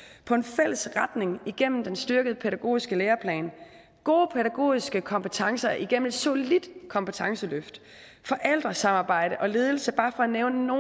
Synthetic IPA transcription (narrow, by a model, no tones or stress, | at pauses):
pʰɒ̽e̝nfel̰əsʁad̥ne̝ŋiɡ̥en̰m̩d̥ensd̥yɐɡ̥əð̩ˠpʰeɾæɡ̥o̝̰ːisɡ̥əleːɐpʰlɛ̰ːn | ɡ̥o̝ːpʰed̥æɡ̥o̝̰ːisɡ̥əkʰɒ̽mpət͡sʰɑ̈ŋsɐʔiɡ̥en̰n̩e̝d̥solid̥kʰɒ̽mb̥ət͡sʰɑ̈ŋsəløfd̥ | fɒ̽ʔel̰d̥ʁɐsɑ̈mɑ̈ːb̥ɑ̈ɪ̰ɾ̥əʔɒ̽le̝ːðˠl̩səb̥ɑ̈ːfɒ̽æneʊnəno̝